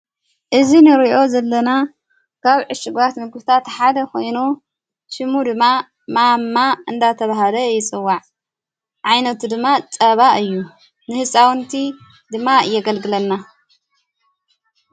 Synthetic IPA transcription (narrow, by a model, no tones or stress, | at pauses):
ʔɨzinɨɾiʔo̞zɐlːɐna | kʰaβʕɨʃɪɡbat̪mɨɡbɨt̪ʰat̪ħad̪ɐkʰo̞jnu | ʃɨmud̪ɨmːa | mamːaɨnd̪at̪ʰɐβaɦalɐjɪt͡sʼɨwːaʕ | ʕajnɐt̪ʰud̪ɨmːat͡sʼɐβaʔɨjːu | nɨhɨsʼawnt̪ʰi | d̪ɨmːajɛɡɐlɡɨlɐnːa